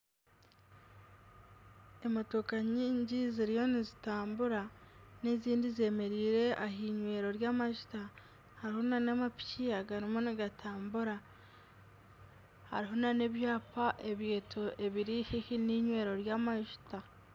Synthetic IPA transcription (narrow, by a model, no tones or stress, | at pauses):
e̞motokaɲiːɲɟiziɾijo̞nizitaːmbuɾaneziːndize̞me̞ɾiːɾe̞ʔaɦiɲwe̞ːɾo̞ɾjaːmaʒu̥ta | haɾiho̞nanamapi̥ciaɡaɾimoniɡatʰaːmbuɾa | ha̰ɾiɦo̞nane̞βjaːpaʔe̞βje̞ːtʰoʔe̞βiɾihihiniɲwe̞ːɾo̞ɾjaːmaʒu̥ta